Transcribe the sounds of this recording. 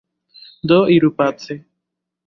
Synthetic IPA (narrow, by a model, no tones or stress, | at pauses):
d̪oiɾupat͡sʰe